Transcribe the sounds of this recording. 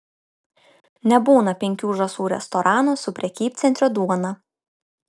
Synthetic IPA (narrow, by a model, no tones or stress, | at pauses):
nʲɛbuːnɐpʲɛŋʲkʲuːʒɐsuːɾʲɛ̰st̪ɔɾʔɑːnusʊpʲɾʲɛkʲiːp̚ʲt̪sʲɛnt̪ɾʲod̪uɔnɐ